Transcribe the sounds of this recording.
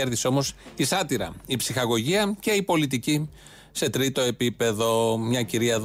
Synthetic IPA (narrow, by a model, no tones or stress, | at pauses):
eɾðiseo̞mo̞sisɐt̪iɾɐ̰ipsixɐɣo̞ʝiɐce̞ipo̞lit̪̬ici | se̞t̪ɾit̪o̞e̞pipe̞ðo̞mɲɐciɾiɐð